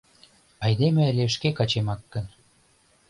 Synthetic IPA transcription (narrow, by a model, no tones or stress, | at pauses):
ɑjd̪emĕlʲeʃkekɑt͡ɕemɑkːə̆n